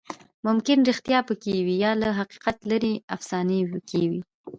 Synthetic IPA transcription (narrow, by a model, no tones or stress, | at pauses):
mʊmkɪnɾɪxt̪jɑpəkewijɑlaɦaqi̥qat̪laɾeafsɑnewkewi